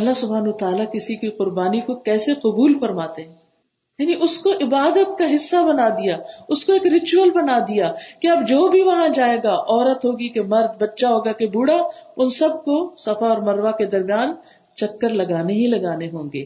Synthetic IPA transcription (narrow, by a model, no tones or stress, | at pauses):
ɐlːasʊbʱaːnwət̪aːlakɪsikiqʊɾbaːnikokɛːseqʊbuːlfɐɾmaːt̪eɦɛ̃ː | jaːniʔʊskoʔɪbaːd̪ət̪kaɦɪsːabɐnad̪ijaːʊskoeːkɾɪt͡ʃuəlbɐnad̪ijakeɐbd͡ʒoːbʱiʋɐɦãd͡ʒaːeːɡaʔɔːɾət̪ɦoːɡikemɐɾd̪̚bɐtːʃaɦoːɡakebuːɽaʊnsɐb̚kosɐfaɔːɾmɐɾʋaked̪ɐɾmjaːn | t͡ʃɐkːəɾlɐɡaːneɦilɐɡaːneɦõːŋɡḛː